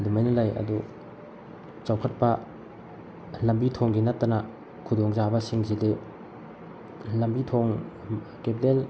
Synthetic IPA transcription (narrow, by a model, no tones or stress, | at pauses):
dumajnalajɐ̰du | t͡ʃawkʰɐt̚pɐ | lɐmbitʰoŋɡinɐtːɐna | kʰudɔŋzabɐsiŋzide | lɐmbitʰoŋ | kep̚del